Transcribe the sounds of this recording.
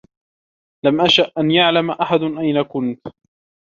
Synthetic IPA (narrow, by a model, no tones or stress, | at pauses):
lamʔaʃaʔːanjaʕlamʔaħad̪ʔajnakʊnt̪